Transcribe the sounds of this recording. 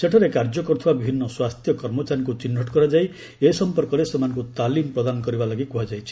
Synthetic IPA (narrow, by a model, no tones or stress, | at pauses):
seʈʰɔɾekaɾd͡ʒɔkɔɾut̪ʰibabibʱinːɔswast̪ʰjɔkɔɾmɔt͡ʃaɾɔŋk̬ut͡ʃinːʱɔʈkɔɾad͡ʒaj | eisɔmpɔɾkɔɾesemanɔ̃ŋkut̪alimpɾɔd̪anɔkɔɾibalɔɡikuɦad͡ʒajt͡ʃʰi̥